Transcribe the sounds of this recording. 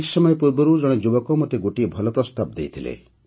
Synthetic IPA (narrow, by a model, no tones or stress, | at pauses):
sɔmɔjepuɾbɔɾud͡ʒɔɽ̃ɔd͡ʒubɔkɔmɔt̪eɡuʈibʱɔlɔpɾɔst̪ab̚d̪ejt̪ʰilḛ